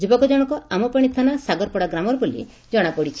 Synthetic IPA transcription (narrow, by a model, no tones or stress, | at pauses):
d͡ʒubɔkɔd͡ʒɔɽ̃ɔkɔamɔpaɽ̃it̪ʰanasaɡɔɾpɔɽaɡɾamɔɾɔbolḭ | d͡ʒɔɽ̃akɔɽit͡ʃʰi̥